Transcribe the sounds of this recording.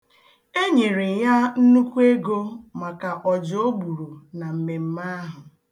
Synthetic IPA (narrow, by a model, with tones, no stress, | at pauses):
e˦ɲe˨ɾe˨ja˦n̩˦nu˦kʷu˦e˦ɡo˦ma˨ka˨ʔɔ˨d͡ʒo˦bu˨ɾu˨na˨m̩˨me˨m̩˦ma˦ɦʊ˨